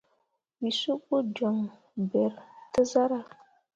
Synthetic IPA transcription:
wi˨so˦k͡pːo˦d͡ʒɔ˨ŋ | bɛ˨ɾtɨ˦za˦ɾa˦

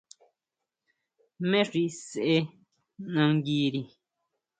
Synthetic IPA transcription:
mẽ˦ʐi˧sʔe˧ | nã˧ŋɡiː˧ɾi˨

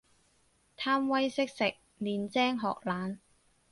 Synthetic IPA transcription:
t̪ʰaː˥mwɐ˥jsɪ˥k̚sɪ˨k̚ | liː˨nt͡sɛː˥ŋɦɔ̰ː˨k̚laː˨˥n

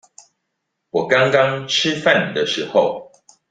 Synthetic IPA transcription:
wɔ˨˩kɑ˥˦ŋkɑ˦ŋʈ͡ʂ̩ʰ˦fa˥˨n˨˩d̪ə˨ʂɻ̩˨˦xo˥˨ʊ

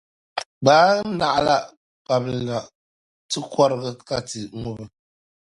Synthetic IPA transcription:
baː˦na˨ʔa˦la˦ | ka˨bɨ˨na˨ | tɨ˦kɔ˦ɾɨ˦ɣɨ˦ka˦tɨ˨ŋʊ˦bɨ˨

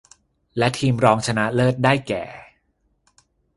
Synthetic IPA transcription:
lɛ˦˥t̪ʰiː˧mɾɔː˦˥ŋt͡ɕʰa˧na˦˥lɤː˥˩t̪̚daː˥˩jkɛ̰ː˨˩

